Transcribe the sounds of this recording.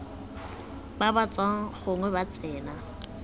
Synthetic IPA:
babat͡sʼwaŋ̩χʊŋwɛbat͡sʼɛːna

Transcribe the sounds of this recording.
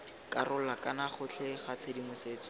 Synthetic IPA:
karʊlakʼanaχʊt͡ɬʰeχat͡sʰedimʊseːt͡sɔ̥

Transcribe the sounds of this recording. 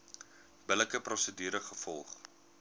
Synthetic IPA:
b̥ələkəprɔsədyːɾəχəfɔlˠχ

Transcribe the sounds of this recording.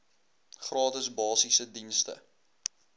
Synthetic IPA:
χrɑːtəsbɑːsisədinstə̰

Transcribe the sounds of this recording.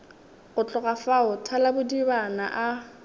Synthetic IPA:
ɣʊt͡ɬʼʊɣafaʊtʰalabʊdibanaʔa

